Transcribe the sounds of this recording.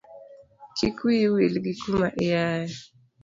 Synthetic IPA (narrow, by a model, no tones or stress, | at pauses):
kʰikwiwilɡikumaʔɪjaja